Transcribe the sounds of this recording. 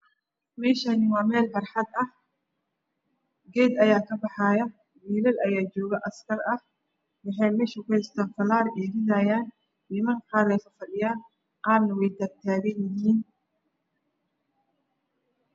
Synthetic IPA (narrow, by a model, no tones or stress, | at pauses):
mɛːʃɐnɪwɑːmɛːlfɑrħɑd̪ɐh | ɡɛːd̪ɐjaːkʰɐbɑħɑːjɐ | wiːlɐlɐjaːt͡ʃɔːɣɐʔɐskʰɐrɐh | wɑħɑjmɛːʃʊkʊhɪst̪ʰaːnfɐlaːɾʔɛːɾɪðaːjaːn | niːmɐŋkʰaːɾɛjfɐfɐɗɪjaː | qɑːrnɐwɛjd̪ɐrt̪ʰaːɣɛjɪɦiːn